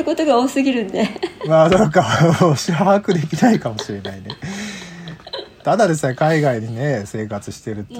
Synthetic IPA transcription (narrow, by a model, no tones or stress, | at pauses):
ɯko̞t̪oɡaoːsɨɡʲiɾɯ̟̃nd̪emaːd̪okaoɕiɦakɯ̟d̪e̞kʲinaikamo̞ɕiɾe̞naine | t̪ad̪ad̪e̞sɨne̞kaiɡaiɲ̟ine̞se̞ːkat͡sɨɕi̥t̪e̞ɾɯ̟t̪